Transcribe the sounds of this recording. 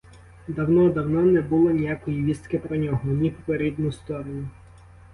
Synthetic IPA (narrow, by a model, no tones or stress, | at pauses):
d̪ɐwnɔd̪ɐwnɔnɛbulˠɔnʲijakɔjiʋʲist̪kɪpɾɔnʲɔɦɔnʲipɔpeɾʲid̪nʊst̪ɔɾɔnʲʊ